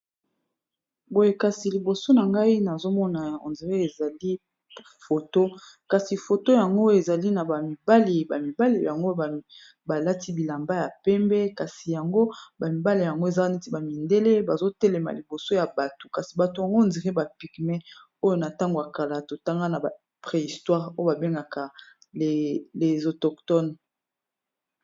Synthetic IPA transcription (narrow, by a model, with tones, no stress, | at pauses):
bo˨je˨ka˨si˨li˨bo˨so˦na˨ŋɡa˦i˦na˨zo˦mɔ˦na˨o̰˨nze˨ʁe˦e˨za˨li˦ | fo˨to˦ | ka˨si˨fo˨to˦ja˨ŋɡo˦e˨za˨li˦na˨ba˨mi˨ba˦li˨ba˨mi˨ba˦li˨ja˨ŋɡo˦˨ | ba˨la˦ti˦bi˨la˨mba˦ja˨pɛ˦mbɛ˦ka˨si˨ja˨ŋɡo˦ba˨mi˨ba˦li˨ja˨ŋɡo˦e˨za˦ne˦ti˦ba˨mi˨nde˦le˦ba˨zo˦tɛ˦lɛ˨ma̰˨li˨bo˨so˦ja˨ba˨to̥˨ka˨si˨ba˨to˨ja˨ŋɡo˦˨ndi˨ʁɛ˦ba˨pi˨kmɛ˦ | o˦jo˦na˨ta˦ŋɡo˨a˨ka˨la˨to˨ta˦ŋɡa˦na˨ba˨ | pʁe˨i˨stwa˦ʁo˦jo˦ba˨be˦ŋɡa˨ka˨ | e˨le˨zo˨tɔ˨ktɔ˦n